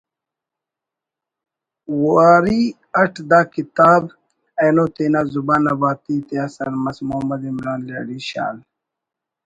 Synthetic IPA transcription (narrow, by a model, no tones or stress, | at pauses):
waːɾi | ɐʈʰd̪aːkit̪aːb | enot̪eːnazubaːnɐbaːt̪it̪eɐsɐɾmɐsmoɐmɐd̪imɾaːnla̰ːɖiɕa̰ːl